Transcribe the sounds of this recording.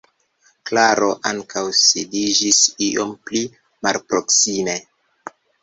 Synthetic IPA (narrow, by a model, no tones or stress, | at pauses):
klaɾo̞ʔaŋkʰawsidid͡ʒisiʔo̞mpli | malpɾoksime̞